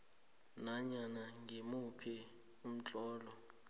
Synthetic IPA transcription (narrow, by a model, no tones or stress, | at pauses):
naɲanaŋemupʰɛ | um̩t͡ɬʼɔːlɔ